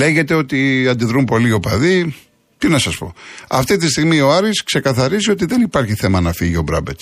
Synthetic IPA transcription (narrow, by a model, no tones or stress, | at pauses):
le̞ʝe̞t̪e̞o̞t̪iɐnd̪iðɾumpo̞lio̞pɐði | t̪inɐsɐspo̞̰ɐ̰ft̪it̪̬is̬t̪iɣmio̞ɐɾiskse̞kɐθɐɾisio̞t̪̬iðe̞nipɐɾçiθe̞mɐnɐfiʝio̞bɾɐ̰bets